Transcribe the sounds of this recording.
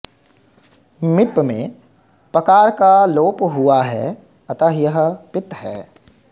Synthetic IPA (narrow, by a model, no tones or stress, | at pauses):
mɪpmḛ̃ | pɾɐkaːɾkaloːpɦʊaɦɛ̰ː | ɐt̪aɦjɐɦpɪt̪hɛː